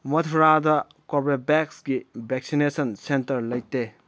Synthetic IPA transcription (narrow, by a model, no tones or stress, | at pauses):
mɐtʰuɾadɐ | kobɾebɛksɡibʱek̚sinesɐnsentɐɾlɐjtːe